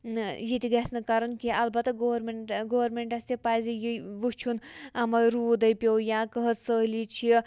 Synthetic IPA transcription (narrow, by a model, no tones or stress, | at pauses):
jit̪iɡɐsnɐkɐɾunkiɐlbɐt̪ɐɡoʋɾmeɡoːʋɐɾmeɳʈɐst̪ipaːzijiʋut͡ʃʰunɐmɐɾuːd̪ɐjpʲjojãːkəɦətsəɦlit͡ʃʰi